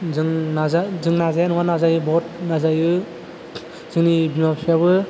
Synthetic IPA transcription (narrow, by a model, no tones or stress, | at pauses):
zɯŋnazazɯŋnazaanuwanazajɯbɔt̚nazajɯ | z̥ɯŋnibimapsʰiaβɯ